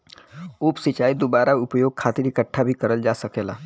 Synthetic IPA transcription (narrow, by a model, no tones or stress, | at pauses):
uːpsɪt͡ʃaːid̪obaːɾaʊpjoːɡ̚kʰaːt̪ɪɾɪkəʈʰːabʱikɐɾəld͡ʒaːsɐkeːla̰ː